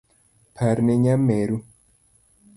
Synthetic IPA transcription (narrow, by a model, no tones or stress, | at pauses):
pʰaɾneɲameɾu